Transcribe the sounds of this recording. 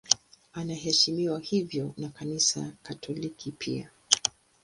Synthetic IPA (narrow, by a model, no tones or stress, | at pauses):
anaɦɛʃimiwahivjɔnakanisa̰katʰɔlikʰipʰḭa̰